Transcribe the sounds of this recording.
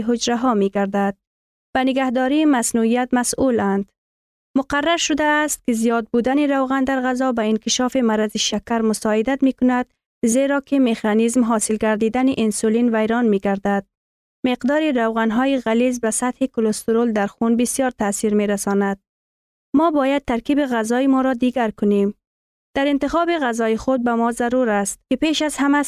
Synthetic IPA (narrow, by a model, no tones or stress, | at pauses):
ɦʊd͡ʒɾaɦɔmeɡaɾd̪ad̪̥̚ | b̥anɪɡahd̪ɔɾimasnuijat̪masuland̪ | mʊqarːaɾʃʊd̪aːst̪̚kɪzijɒd̪̚bud̪aniɾawɣand̪aɾɣazɔbaɪnkɪʃɑfimaɾaziʃakaɾmʊsɔɪd̪at̪mekʊnad̪ | zeɾɒkɪmexɑnizmɦɒsɪlɡaɾd̪id̪aniʔɪnsulinvajɾɒnmeɡaɾd̪ad̪̥̚ | mɪqd̪ɔɾɪɾawɣanɦɔjɪɣalizbasat̪hɪkʊlʊst̪ʊɾold̪aɾxunbɪsijɒɾt̪asiɾmeɾasɔnad̪̥̚ | mɔbɔjad̪̚t̪ːaɾkibiɣazɔɪmɔɾɔd̪iɡaɾkʊnem | d̪̥aɾɪnt̪ɪxɔbɪɣazɔjixʊd̪̚bamɔzaɾuɾast̪̚kɪpeʃazhama